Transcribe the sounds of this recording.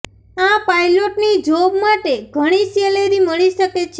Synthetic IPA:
ãpajloʈnid͡ʒobmaʈeɡʱəɽ̃iseleɾiməɭ̃iʃəket͡ʃʰe

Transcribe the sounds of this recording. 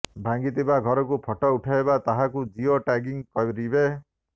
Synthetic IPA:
bʱaŋɡit̪ibaɡʱɔɾɔkupʰɔʈɔuʈʰaebat̪aɦakud͡ʒioʈaɡiŋkɔwɾibe

